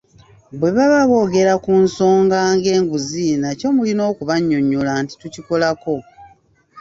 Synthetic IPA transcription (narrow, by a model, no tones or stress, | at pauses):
bwe̞βaβaβo̞ːɡe̞ɾakunso̞ːŋɡaːŋɡe̞ːŋɡuzinaco̞mulino̞ːkuβaɲːoɲːulaːnti̥tuciko̞lako̞